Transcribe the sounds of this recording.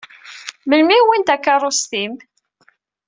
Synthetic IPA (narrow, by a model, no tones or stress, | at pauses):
məlmiwint̪ækːɑrˤost̪im